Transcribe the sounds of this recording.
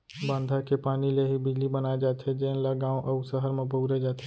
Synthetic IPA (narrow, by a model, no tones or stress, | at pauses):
bãːnd̪ʱakepaːnileɦibɪd͡ʒlibənaːed͡ʒaːt̪ʰed͡ʒeːnlaɡãːõʔɐʊsəɦəɾmẽbuːɾed͡ʒaːt̪ʰe